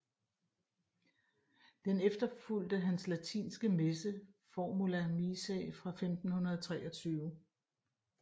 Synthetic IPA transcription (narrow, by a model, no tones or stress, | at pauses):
d̥enefd̥ɐful̰d̥əɦænslæt͡sʰḭːnsɡ̥əmesə | fɒmulæmisɛ̰fʁɑ̈femd̥n̩hunɐðˠt͡sʰʁɛːɒt͡sʰyːʊ